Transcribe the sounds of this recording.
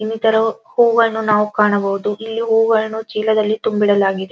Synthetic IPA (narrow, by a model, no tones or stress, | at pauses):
inːit̪ɐɾɐhuːɡɐɭnunaːʋukaːɳɐbɐʋud̪uʔilːiɦuːɡɐɭnut͡ʃiːlɐd̪ɐlːit̪umbiɽɐlaːɡid̪e